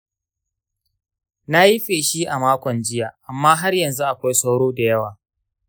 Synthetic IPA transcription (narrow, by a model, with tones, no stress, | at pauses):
na˦ji˦ɸeː˨ʃi˦ʔa˨maː˦kʷɔ˨nd͡ʒɪ˦jaː˨ʔa˨mːaː˦ɦa˦rjɐ˨nzu˦ʔa˨kʷa˦jsa˦wɽoː˦da˨jɐ˦waː˨